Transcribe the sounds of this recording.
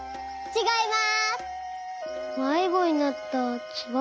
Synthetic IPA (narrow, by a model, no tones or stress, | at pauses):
t͡ɕiɡaimas | maiɡoɲinat̪ːat͡ɕiɡa